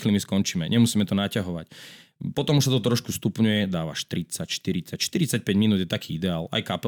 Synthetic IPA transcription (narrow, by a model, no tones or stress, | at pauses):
xlimiskɔnt͡ʃiːmɛɲʔɛmusiːmɛt̪ɔnacaɦɔʋa̰cpɔt̪ɔmuʃsat̪̬ɔt̪ɾɔʃkust̪upɲujɛd̪aːʋa̰ʃt̪ɾit͡sacʃt̪iɾit͡sacʃt̪iɾit͡sac̚pɛɟminud̪jɛt̪akʰiːid̪ɛaːla̰jkapɛ